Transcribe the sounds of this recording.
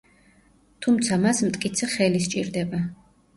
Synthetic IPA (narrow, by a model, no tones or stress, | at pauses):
t̪ʰumt̪sʰamasmt̪ʼkʼit̪sʰɛχɛlist͡ʃʼḭɾd̪ɛba